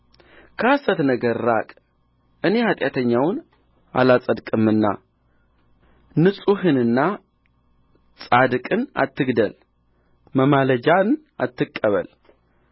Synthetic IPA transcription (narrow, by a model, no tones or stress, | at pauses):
kʰəasət̪nəɡəɾɾakʼ | ʔɨne̞hat̪ʼjat̪ʰəɲːawn | a̰lat͡sʼəd̪kʼɨmːɨnːa̰ | nɨsʼuhɨnɨnːa | t͡sʼad̪kʼɨna̰t̪ːɨɡd̪əl | məmaləd͡ʒan | at̪ʰːɨkʼːəβə̰l